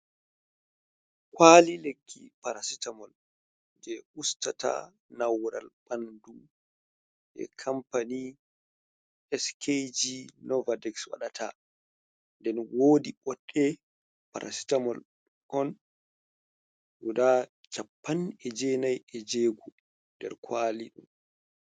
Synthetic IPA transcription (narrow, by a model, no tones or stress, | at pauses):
kwaːlilekʰːḭpaɾasitamɔl | d͡ʒɛʔustata̰ | nawɾa̰lɓandu | ʔɛ̰kʰampani | ɛskʰed͡ʒinɔvadɛkswa̰ɗatʰa̰ | ndɛnwodiɓɔɗːɛ | pa̰ɾʔa̰si̥tamɔl | ʔɔn | ɗuda | t͡ʃapːanɛd͡ʒɛnajɛd͡ʒeːɡu | ndɛ̰ɾkʰwaːliɗṵm